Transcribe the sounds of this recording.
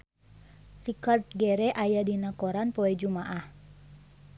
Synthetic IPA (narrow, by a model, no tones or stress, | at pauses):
rikart̪̚ɡɛɾɛʔajadinakɔɾanpɔɛd͡ʒumaʔah